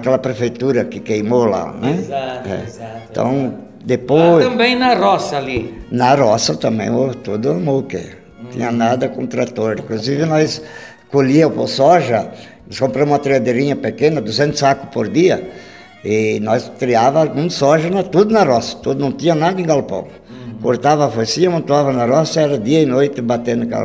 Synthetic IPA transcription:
ɐkɛlɐpɾefejt̪uɾɐkɪkejmola̰nɛ̃ɛ̰̃t̪ɐ̰̃w̃ | d̪epojɐ̃bẽj̃nɐɾɔsɐlinɐɾɔsɐt̪ɐ̃mbḛ̃j̃ot̪od̪ʊɐmowkḛ̃ | t̪ḭ̃ɲɐnad̪ɐkõnt̪ɾat̪oɾḭ̃ŋkluzivɪnɔjs | koʎiɐ̃wposɔʒɐ | nɔskõmpɾɐ̃mũmɐt̪ɾiad̪eɾĩɲɐpekẽnɐd̪uzẽnt̪ʊ̥sakʊpoɾd̪iɐ | ɪnɔjst̪ɾiavɐɡũsɔʒɐnɐt̪ud̪ʊnɐrɔsɐ̥t̪od̪ʊnɐ̃w̃t̪ĩɲɐnad̪ɐẽŋɡalpõ̰ | koɾt̪avɐfosĩɲɐmɐ̃nt̪uavɐnɐrɔsɐɛɾɐd̪iɐɪnojt̪ɪbat̪ẽnd̪ʊka̰l̰

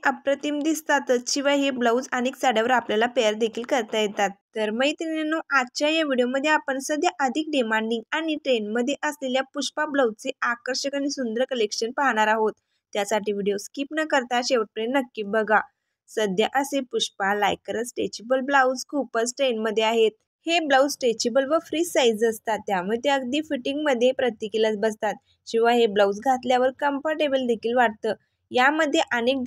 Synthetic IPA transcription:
ʔəpɾət̪imd̪ist̪at̪ət͡st͡ɕiʋaɦebləwd͡zañiksaɽəʋəɾapljalapeəɾd̪ekʰiːlkəɾt̪ajet̪at̪ːəɾməit̪enenoad̪̚t͡ɕajaʋiɽijoməd̪ʱːjeapəɳsəd̪ʱjaʔəd̪ʱik̚ɖimãɳɖiŋɡaɽ̃iʈɾenməd̪ʱːjeʔəsleljapuʂpabləwt͡seakəɾɕəkañisund̪əɾkəlekɕənpaɦɽ̃aɾaɦot̪ː | jasaʈiʋiɽijoskipnəkəɾt̪aɕeʋəʈ̚pɾenːəkːiːbəɡa | səd̪ʱjəʔəsepuɕpala̰jkːəɾəsʈet͡ɕibəlblawd͡zkupəsʈenməd̪ʱːjeaɦet̪̚ | heblawd͡zsʈet͡ɕebəlʋəfɾiːsajd͡zəst̪at̪ːjaməd̪ʱːjeəɡd̪iːfiʈiŋɡməd̪ʱːjepɾət̪ːikilət͡sbəst̪at̪̚ | kĩw̃ʋaɦebləwd͡zɡʱat̪ljaʋəɾkəmpaɾʈebəld̪ekʰiːlʋaʈ̚t̪əː | jaməd̪ʱːjeʔənek̪̚

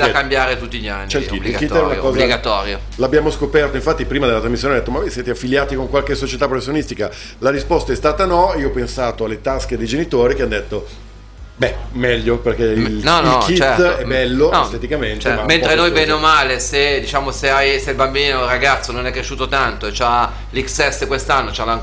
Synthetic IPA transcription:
lakambjaːɾet̪ut̪ːiʎːa̰nːt͡ʃɛiitb̪ilɡkit̪ːɛunakɔːzbiɡat̪ɔːɾjo̰ | labːjaːmoskopɛrt̪oĩɱfat̪ːipɾiːmad̪elːat̪ɾazmisːjonajd̪et̪ːomavojsjɛːt̪eafːiljaːt̪ikoŋkwalkesot͡ʃet̪apːɾofesːjonist̪ika | laɾispɔst̪aɛst̪aːt̪anɔiːoɔpensaːt̪oalːet̪asked̪ejd͡ʒenit̪oːɾikeanːd̪et̪ːo | bɛmɛʎːoperk̟einɔnlkit͡ʃɛɛbːɛlːoest̪et̪ikament̪emament̪ɾenojvɛneomaːlesed̪it͡ʃaːmoseajseilbambiːnoraɡat̪sːononɛkːɾeʃuːt̪ot̪ant̪oet͡ʃa | liksɛst̪kwest̪anːot͡ʃalaŋk

